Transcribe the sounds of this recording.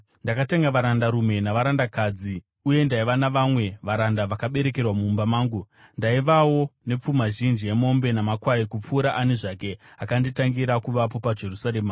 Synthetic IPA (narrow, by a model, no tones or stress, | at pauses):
ndakate̞ŋɡaʋaɾandaɾume̞naʋaɾandakad͡zi | uje̞ndaiʋanaʋamwe̞ʋaɾandaʋakaɓe̞ɾe̞ke̞rwamuːmbamaːŋɡu | ndaiʋawo̞ne̞p͡fumaʒind͡ʒie̞mo̞mbe̞namakwaikup͡fuːɾaʔaneʐake̞akanditaŋɡiɾakuʋapo̞pad͡ʒe̞rusaɾeːma